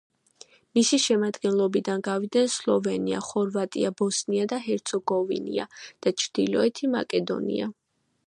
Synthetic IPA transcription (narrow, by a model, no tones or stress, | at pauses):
misiʃɛmad̪ɡɛnlˠɔbid̪anɡavid̪nɛnslˠɔvɛnia̰χɔɾvat̪ʼiabɔsniad̪aɦɛɾt̪sʰɔɡɔvḭnḭa̰d̪̥at͡ʃʰɾd̪̥ilɔɛt̪ʰima̰kʼɛd̪ɔ̰nḭa̰